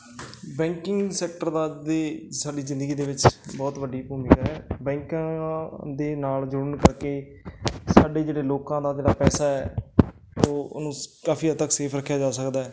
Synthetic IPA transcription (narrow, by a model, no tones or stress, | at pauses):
bɛ̃ːŋkɪ̃ŋɡsɛːk̚ʈəɾd̪aːd̪eːsaːɖiːzɪ̃nd̪əɡiːd̪eːʋɪt͡ʃbɔːt̪ʋəɖːiːbuːmɪkɛːbɛ̃ːŋkãːd̪eːnaːld͡ʒʊɽəɳkəɾkeː | saːɖeːd͡ʒeːɽeːloːkãːd̪aːd͡ʒeːɽaːpɛːsaːɛː | o̰ːnũːkaːpʰiːət̪ːəkseːpʰɾəkʰːjaːd͡ʒaːsəkd̪aːɛː